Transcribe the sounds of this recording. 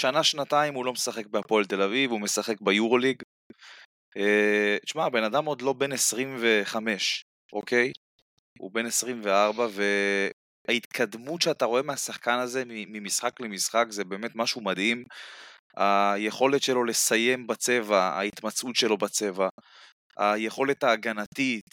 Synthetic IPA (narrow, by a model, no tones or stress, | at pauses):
ʃanaʃnat̪aimulo̞mesaχe̞k̚beapo̞elt̪e̞lavivume̞saχe̞k̚bajuʁo̞liɡ | eʃmabe̞nad̪amo̞d̪lo̞be̞nesʁimve̞χame̞ʃ | ʔo̞kej | ṵbe̞nesʁimveaʁbave̞ | ait̪kʰad̪mutʃeat̪aʁo̞emeasaχkanaze̞mimimisχaklemisχakzebe̞ːme̞t̪maʃumad̪him | aje̞χo̞le̞tʃelo̞le̞saje̞mbat͡se̞vaa̰it̪mat͡sʔut̪ʃe̞lo̞bat͡se̞va | a̰jeχo̞le̞t̪aːɡanat̪it̪